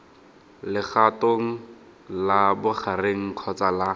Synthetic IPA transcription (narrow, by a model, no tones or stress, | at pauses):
lɪχatoŋ̩ | labʊχareŋ̩kʰɔt͡sala